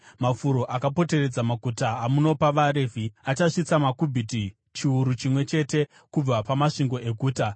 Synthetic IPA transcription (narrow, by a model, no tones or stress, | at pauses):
mafuɾo̞ʔakapo̞te̞re̞d͡zamakutaːmuno̞paʋaɾe̞ːvʱiat͡ʃaʂit͡samakubʱiti | t͡ʃiuɾut͡ʃimwe̞t͡ʃe̞te̞ | kub͡vapamaʂiŋɡo̞ʔe̞ɡʱuːta